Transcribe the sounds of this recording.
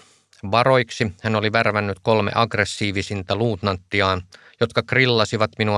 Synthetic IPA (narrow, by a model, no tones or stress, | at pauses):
ʋɑɾo̞jksihæno̞liʋærʋænːyt̪ko̞lmḛʔɑɡresːiːʋisint̪æluːt̪nɑnt̪ːiɑːn | jo̞t̪kɑkrilːɑsiʋɑt̪minu